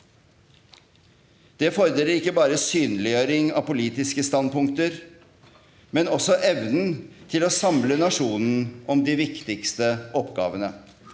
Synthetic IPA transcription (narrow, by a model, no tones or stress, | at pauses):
d̪̥ɛfɔɾd̪eːləɾɪkːəbɑːɾəsyːnlɪjøːɾɪŋɑ̰pʊliːt̪ɪskəst̪ɑnpʊŋk̚t̪əɾ | mɛnɔsɔʔɛʋnn̩t̪ʰɪloːsɑmlənɑʂuːnn̩ʔɔmd̪ɪʋɪkt̪ɪkst̪əʔɔpːɡɑ̰ːʋənə